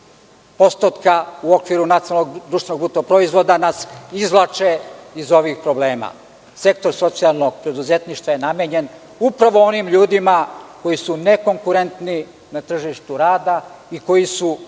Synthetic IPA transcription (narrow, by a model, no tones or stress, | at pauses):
po̞st̪ot̪kauo̞kʋiɾunat̪sijalnoɡd̪ɾuːʃt̪enoɡ̚but̪opɾo̞izʋo̞d̪anasizlˠat͡ʂeizo̞ʋixpɾo̞ble̞ːma̰ | se̞k̚t̪o̞ɾso̞t̪sialˠno̞ɡ̥pɾe̞d̪uzet̪niʃt̪ʋaje̞nameːɲe̞n | upɾaʋo̞o̞nimʎuːd̪imako̞jisune̞ko̞ŋkuɾe̞nt̪ni | nat̪r̩ʒiʃt̪uɾaːd̪aiko̞jisu